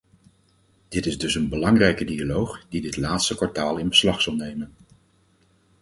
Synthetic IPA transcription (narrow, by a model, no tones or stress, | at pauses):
d̥ɪtɪzdɵsənbəlɑŋrɛjkədialowχdidɪtlaːtstəkʋɑɹtaːlˠɪnbəslɑχsɑlˠnejmən